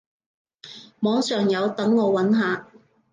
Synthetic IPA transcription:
mɔː˨˥ŋsœː˨ŋjɐ˨˧wt̪ɐ˨˥ŋːɔː˨˧wɐ˨˥nɦaː˨˧

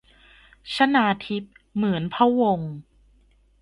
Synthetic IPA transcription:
t͡ɕʰa˦˥naː˧t̪ʰi˦˥p̚ | mɯ˩˦ənpʰa˦˥wo˧ŋ

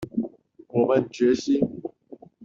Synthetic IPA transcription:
wɔ˨˩mə˨nt͡ɕɥɛ˨˦ɕi˦

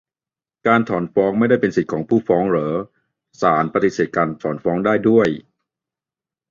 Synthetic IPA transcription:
kaː˧nt̪ʰɔː˩˦nfɔː˦˥ŋma˥˩jda˥˩jpe˧nsi˨˩t̪̚kʰɔː˩˦ŋpʰuː˥˩fɔː˦˥ŋɾɤː˩˦ | saː˩˦npa˧t̪i˨˩seː˨˩t̪̚kaː˧nt̪ʰɔː˩˦nfɔː˦˥ŋdaː˥˩jdu˥˩əj

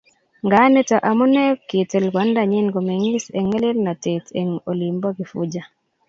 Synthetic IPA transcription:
ŋɡa˦ne˦ta˨ʔa˨mo˦nɛ˦kke˨te˨lka˨˦nda˨ɲɪ˦nɡo˨me˨ŋi˦se˨ŋe˦le˦lna˨te˨tʰḛ˨ŋo˨li˨mbɔ˦ɡɪ˨fṵ˦d͡ʒa˦

